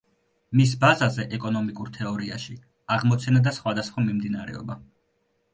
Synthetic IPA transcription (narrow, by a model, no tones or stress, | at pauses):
mis̬bazazɛʔɛkʼɔnɔmikʼuɾt̪ʰɛɔɾia̰ʃi | aʁmɔt̪sʰɛnad̪asχwad̪asχwamimd̪inaɾɛ̰ɔ̰ba